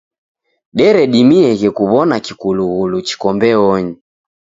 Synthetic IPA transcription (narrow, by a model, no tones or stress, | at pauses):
ɗɛɾɛɗimiɛɣɛkuβɔnakikuluɣulut͡ʃi̥kɔmbɛɔɲi